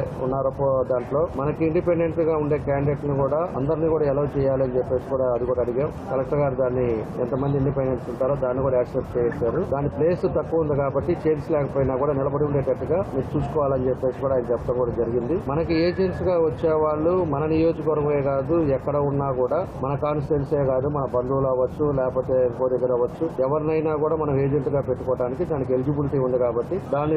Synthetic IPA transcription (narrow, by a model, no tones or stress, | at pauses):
ṵnːaːɾɐod̪aːɳʈlo̞ːmɐnɐkiiɳɖipeɳɖe̞ɳʈɡaːuɳɖe̞ːkaːɳɖeʈnikuːɽaːɐ̰nd̪ɐɾiniːkuːɽaːɛlawt͡ʃɛːjaːliɐnt͡ʃepːe̞ːsi̥kuːɽaːɐd̪ikuːɽaɐd̪iɡeːmkɐlɐk̚ʈɐɡaːɾid̪aːnːiɛ̰nt̪ɐmɐnd̪iɳɖipeɳɖeɳsuɳʈaːɾoːd̪aːnːikuːɽaɛːksep̚t͡ʃɛːjɛsaːɾud̪aːnːiple̞ːst̪ɐkːuɐund̪ikaːbɐʈːit͡ʃeːɾsilɛːkɐpoːjinaːkuːɽaːnilɐbɐɽiuɳɖeːʈɐʈːuɡaːmiːɾut͡ʃuːsu̥kɔːʋaːlɐnt͡ʃepːeːsikuːɽaːjinɐt͡ʃɛpːɐt̪ɐŋkuːɽaːd͡ʒɐɾiɡind̪imɐnɐkieːd͡ʒenʈsɡaːʋɐt͡ʃːeːʋaːɭːumɐnɐnijo̞ːd͡ʒɐkɐʋɐɾʋɐʋeːkaːd̪uɛkːɐɽɐunːaːkuːɽaːmɐnɐkaːnsʈenseːkaːd̪umɐnɐbɐnd̪uːlaːʋɐt͡ʃːulɛːkpoːt̪eɐmkoːd̪ɐɡɐɾɐʋɐt͡ʃːuɛʋɐɾnɐjnaːkuːɽaːmɐnɐmeːd͡ʒeɳʈɡaːpe̞ʈːukɔːʈaːnikid̪aːnik̬eld͡ʒibiliʈiund̪ikaːbɐʈːid̪aːnːi